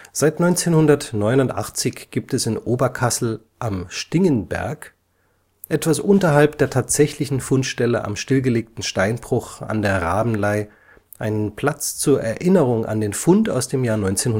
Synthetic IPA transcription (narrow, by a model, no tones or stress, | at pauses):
z̥aɪtnɔʏnt͡seːnhʊndɐtnɔʏnʊntʔa̰χt͡sɪçɡ̥iːp̚tɛsɪnʔoːbɐkʰasl̩ | ʔamʃtɪŋənbɛ̰ɐk | ʔɛtv̥asʔʊntɐɦalpd̥eːɐtʰaːtz̥ɛçlɪçn̩fʊntʃtɛləʔa̰mʃtɪlɡəleːk̚tn̩ʃtaɪnbʁ̥ʊχa̰ndeːɐʁaːbm̩laɪ | ʔaɪnənpʰl̥at͡st͡suːɐʔɛɐʔɪnəʁʊŋʔa̰ndeːnfʊnta̰ʊsd̥eːmjaːɐnɔʏnt͡seːnhʊ